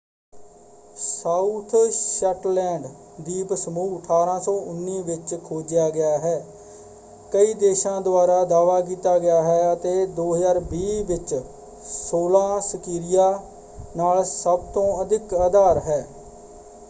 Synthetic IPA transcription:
saːut̪ʰsɛːʈlɛ̃ːɳɖ | d̪iːpsəmuːəʈʰaːɾãːsɔ̃ːʊnːiːʋɪt͡ʃkʰoːd͡ʒɪjaːɡɪjaːɦɛː | kəiːd̪eːʃãːd̪ʊaːɾaːd̪aːʋaːk̬iːt̪aːɡɪjaːɦɛːət̪eːd̪oːɦəzaːɾbiːʋɪt͡ʃ | soːlãːsəkiːɾɪjaː | naːlsəb̚t̪õːəd̪ɪkaːd̪aːɾɦɛː

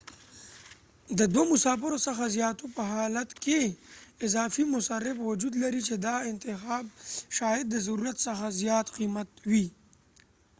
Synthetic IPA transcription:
d̪əd̪womʊsɑfɪɾosəxazjɑːt̪opəɦɑlat̪keɪzɑːfimʊsaɾːɪfwʊd͡ʒud̪laɾit͡ʃed̪ɑɪnt̪ɪxɑːb̚ʃɑːjad̪̚ːəzaɾuɾat̪səxazjɑːt̪qimat̪wi

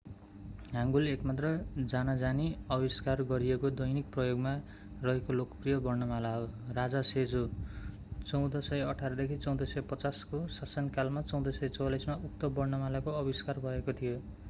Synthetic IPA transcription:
ɦãŋɡulekmat̪rʌd͡zanad͡zaniʌbiskarɡʌɾijekod̪ʌjnik̚prʌjoɡma | rʌɦekolokprijʌbʌrnʌmalaɦorad͡zased͡zo | t͡sʌw̃d̪ʌsʌjʌʈʰaɾʌd̪ekʰit͡sʌ̃w̃d̪ʌsʌjpʌt͡saskosasʌnkalmat͡sʌ̃w̃d̪ʌsʌjt͡sʌwlʌjsmauk̚t̪ʌbʌrnʌmalakoʌbiskarbʱʌekot̪ʰijo

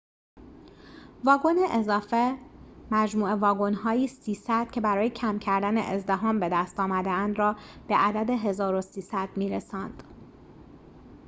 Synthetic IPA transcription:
vɒːɡoneʔezɒːfe̞mæd͡ʒmuːevɒːɡonɦɒːjiːssiːsæd̪̥cʲʰe̞bæɾɒːje̞cʰæmcʰæɾd̪ænḛʔezd̪eɦɒːmbe̞d̪æst̪ɒːmæd̪eænd̪ɾɒːb̥e̞ʔæd̪æd̪e̞ɦe̞zɒːɾosiːsæd̪̥miːɾesɒːnd̪̥

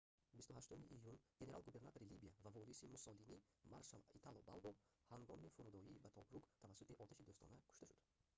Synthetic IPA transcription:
bist̪uhaʃt̪umiʔijunɡ̥ene̞ɾalɡube̞ɾnat̪oɾilibiavavɔɾisimusɔlini | ma̰ɾʃalit̪ʰalˠɔba̰lˠbɔhaŋɡɔmifuɾud̪ɔiːbat̪ʰɔbɾuɡt̪ʰavasːut̪iʔɔt̪ʰaʃid̪ɔst̪ɔ̰nakʰu̥ʃt̪aʃud̪

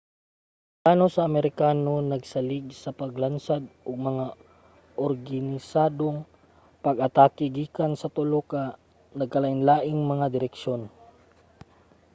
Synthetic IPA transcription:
t̪aːnosɐːmɛɾɪkaːno̞nɐɡsɐlɪɡ̚sɐpɐɡlansad̪̚ʔoɡ̚mɐŋa | ʔoɾɡanɪsaːd̪oŋ | pɐɡɐt̪aːkɪɡiːkansɐt̪ʊloka | nɐɡ̚kɐlaʔɪnlaːʔɪŋmɐŋad̪ɪɾɛkʃo̞n

